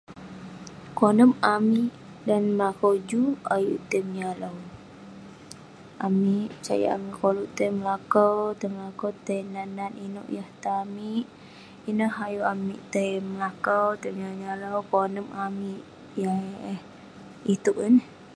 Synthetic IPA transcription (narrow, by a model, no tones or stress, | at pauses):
konəmamiʔ | danməlakowd͡ʒuajṵʔt̪əmɲaləw | amiʔpət͡ʃa̰ja̰ʔanikoluʔt̪əjməlakəwt̪əjməlakəwt̪əjnananinṵʔjaht̪amiʔ | inəɦajuʔamiʔt̪əjməlakəwt̪əmɲaɲaləwkonəmamiʔ | jah | it̪uʔənə